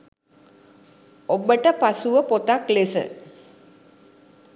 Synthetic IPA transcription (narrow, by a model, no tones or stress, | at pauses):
obəʈəpasuʋəpot̪aklesə̰